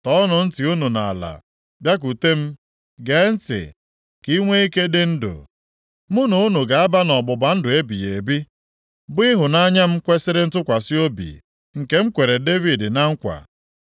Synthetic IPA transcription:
tɔ˨˦nʊ˨n̩˦ti˨u˦nu˨na̰˨la̰˨ | bja˦k̬u˨te˦m̩˦ | ɡe˨˦n̩˦tɪ̰˨ | ki˦ŋʷe˦i˦ke˦dɪ˦n̩˦dʊ̰˨ | mʊ˦no˨˦nu˨ɡa˨a˦ba˦nɔ˨ɡ͡bʊ˨ba˨˦n̩˦dʊ˨e˦bi˨je˨bi˦ | bʊ˦i˦ɦʊ˨na˦ɲa˦m̩˦kʷe˦sɪ˦ɾɪ˦n̩˦tʊ˦kʷa˨sɪ˦o˦bḭ˨ | ŋ̩˨ke˦m̩˦kʷe˨ɾe˨de˦vi˨dna˦ŋ̩˦kʷa̰˨

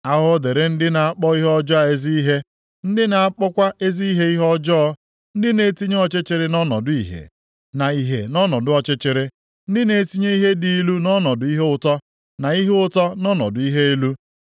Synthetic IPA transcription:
a˦ɦʊ˦ɔ˦de˨ɾe˨n̩˦dɪ˦na˨a˦k͡pɔ˦i˦ɦɔ˦d͡ʒɔ˦a˨e˦zi˦i˦ɦe˦ | n̩˦dɪ˦na˨a˦k͡pɔ˦kʷa˦e˦zi˦i˦ɦe˦i˦ɦɔ˦d͡ʒɔ˦ɔ˦ | n̩˦dɪ˦ne˨ti˦ɲe˦ɔ˨t͡ʃɪ˦t͡ʃɪ˨ɾɪ˨nɔ˦nɔ̰˨dʊ˨ḭ˨ɦḛ˨ | na˨i˨ɦḛ˨nɔ˦nɔ˨dʊ˨˦ɔ˨t͡ʃɪ˦t͡ʃɪ˨ɾɪ˦ | n̩˦dɪ˦ne˨˦ti˦ɲe˦i˦ɦe˦di˦lu˦nɔ˦nɔ˨dʊ˨˦i˦ɦe˦ʊ˦tɔ˦ | na˨i˦ɦe˦ʊ˦tɔ˦nɔ˦nɔ̰˨dʊ˨i˦ɦe˦i˦lu˦

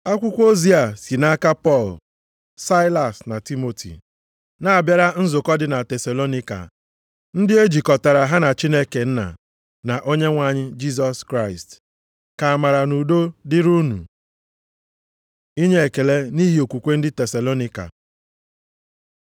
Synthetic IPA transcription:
a˦kʷʊ˦kʷo˦zi˦a˨si˨na˦ka˦pɔ˦˨l | sa˦ɪ˦la˨sna˨ti˦mo˨tʰḭ˨ | na˨a˨bja˦ɾa˦n̩˦zʊ˨kɔ˦dɪ˨na˨te˨sa˨lo˦ni˦ka̰˨ | n̩˦dɪ˦e˦d͡ʒi˨kɔ˨ta˨ɾa˨ɦa˦na˨t͡ʃi˦ne˦ke˨n̩˦na̰˨ | na˨ʔo˦ɲe˦ŋʷa˨ɲɪ˦d͡ʒi˦s̬ɔ˨skɾa˦˨ɪ˨st | ka˨a˨ma˨ɾa˨nu˨do˦dɪ˦ɾu˦nṵ˨ | i˦ɲe˦e˨ke˨le˦ni˦ɦi˦o˨kʷu˨kʷe˦n̩˦dɪ˦te˨sa˨lo˦ni˦ka̰˨

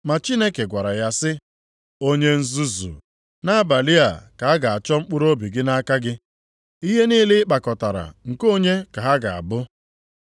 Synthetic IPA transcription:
ma˨t͡ʃi˦ne˦ke˨ɡʷa˨ɾa˨ja˦sɪ˦ | o˦ɲe˦n̩˦zu˦zṵ˨ | na˦a˦ba˨li˦a˨ka˨a˦ɡa˨a˨t͡ʃɔ˦ŋ͡m̩˦k͡pʊ˦ɾo˦bi˨ɡɪ˦na˦ka˦ɡɪ˦ | i˦ɦe˦niː˦lɪ˦k͡pa˨kɔ˨ta˨ɾa̰˨ŋ̩˨ko˦ɲe˦ka˨ɦa˦ɡa˨a̰˨bʊ˦

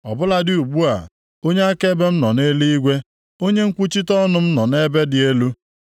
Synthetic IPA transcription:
ɔ̰˨bʊ˦la˦dɪ˦˨u˨ɡ͡bu˦a̰˨ | o˦ɲe˦a˦ke˦be˦m̩˦nɔ˨ne˦li˦i˦ɡʷe˦ | o˦ɲe˦ŋ̩˦kʷu˦t͡ʃi˦tɔ˦nʊ˨m̩˦nɔ˨ne˦be˦dɪ˨e˦lu˦

